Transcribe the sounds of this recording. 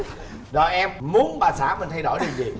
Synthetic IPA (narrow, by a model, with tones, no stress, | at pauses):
zɔ̰˨˩jʔɛ˧mmu˨˦ənɓaː˨˩saː˧˩˦mi˨˩nt̪ʰa˧jɗo̰˧˩˨jɗi˨˩nzi˨˩